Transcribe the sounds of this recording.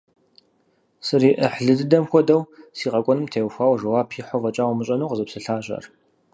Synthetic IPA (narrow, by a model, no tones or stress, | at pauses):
sɨriʔəħɮɨdɨdɐmxʷɔdɐwsiːqɐkʷʼɔnɨmtʰeːwxʷaːwʒɐwaːpʰiħʷɔvɐt͡ʃʼaːwmɨɕʼɐnuwqəzɨpsɨɬaːɕʼɐ̰r